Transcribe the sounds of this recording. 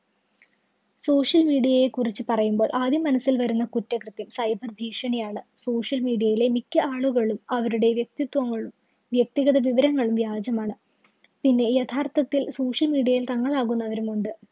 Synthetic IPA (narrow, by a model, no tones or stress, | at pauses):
so̞ːʂjɐlmiːɖijɐjekurit͡ɕːɨpɐrɐjumbo̞ːɭʔaːd̪ʱjimɐnɐsːilʋɐɾunːɐkutːɐkrɨt̪jɐmsɐjbʱɐrbʱiːʂɐɳijaːɳɨso̞ːʂjɐlmiːɖijɐjile̞mikʲːɨaːɭuɣɐɭumɐʋɐɾuɽe̞ʋjek̚t̪it̪ʋɐŋːɐɭum | ʋjek̚t̪iɣɐðɐʋiʋɐɾɐŋːɐɭumʋjaːd͡ʑɐmaːɳɨ | pinːe̞jet̪ʰaːrt̪ɐt̪ːilso̞ːʂjɐlmiːɖijɐjilt̪ɐŋːɐɭaːɣunːɐʋɐɾumuɳɖɨ